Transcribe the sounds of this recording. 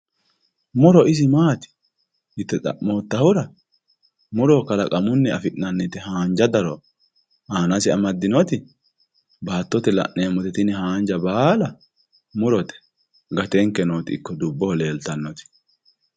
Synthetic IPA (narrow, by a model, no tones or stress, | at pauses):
mʊɾɔɪs̬ɪmaːt̪ɪ̥ | hɪt̪ːɛt̪ʼɐ̰ʔmoːt̪ːɐhʊɾɐ | mʊɾɔkɐlɐkʼɐmʊnːɛɐfɪʔnɐnːɛt̪ɛhaːnd͡ʒɐd̪ɐɾɔ | aːnɐsɪɐmɐd̪ːɪnɔt̪ɪ | baːt̪ːɔt̪ɛlɐ̰ʔnːeːmɔt̪ɛt̪ɪnɛɦaːnd͡ʒɐbaːlɐ | mʊɾɔt̪ɛ̥ | ɡɐt̪ɛŋkːɛnot̪ɪɪkːɔd̪ʊbːɔhɔleːlt̪ɐnːɔt̪ɪ̥